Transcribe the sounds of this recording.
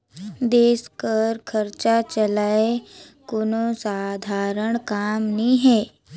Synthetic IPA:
d̪eːskəɾkʰəɾt͡ʃat͡ʃəlaːekonosaːd̪ʱaːɾəɽ̃kaːmnĩɦɛː

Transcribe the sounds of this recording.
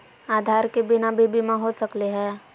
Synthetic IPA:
aːd̪ʱaːɾkebɪnabʱibʱimãɦosəkleɦɛ̃ː

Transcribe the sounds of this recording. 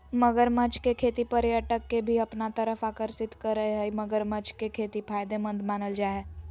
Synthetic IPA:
mɐɡəɾmət͡ʃkekʰeːt̪ipɐɾjəʈəkːebʱiɐpnat̪əɾəfaːkəɾsɪt̪kɐɾːəɦeɦəimɐɡəɾmət͡ʃʰkekʰeːt̪ipʰaːjd̪emɐ̃nd̪maːnəld͡ʒaːɛː

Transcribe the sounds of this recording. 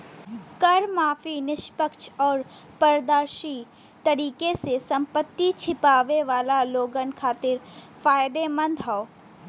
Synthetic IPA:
kɐɾmaːfinɪʃpəkʃɔːɾ | pɐɾd̪aːɾʃi | t̪ɐɾiːkesesɐ̃mpət̪ːit͡ʃʰɪpaːʋeʋaːlaloːɡənkʰaːt̪ɪɾ | faːjd̪emə̃nd̪ɦɔo

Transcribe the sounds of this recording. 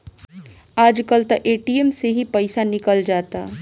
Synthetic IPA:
aːd͡ʒkəlt̪ɐʔeːʈijemseɦipəɪsanɪkəld͡ʒaːt̪a̰

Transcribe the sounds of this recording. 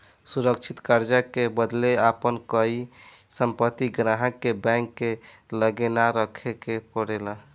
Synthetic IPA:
suɾək̚t͡ʃʰit̪kaɾd͡ʒakebəd̪leapənkəisəmpət̪ːiɡɾaɦəkːebɛ̃ŋkːeləɡenaɾəkʰekepəɽelə

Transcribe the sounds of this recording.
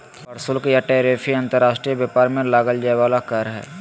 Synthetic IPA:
ɐɾsʊlkjaʈeːɾepʰiɐ̃nt̪əɾaːʃʈɾijəbjaːpaːɾmẽlaːɡəld͡ʒaːeʋaːlakaɾɦɛ̰ː

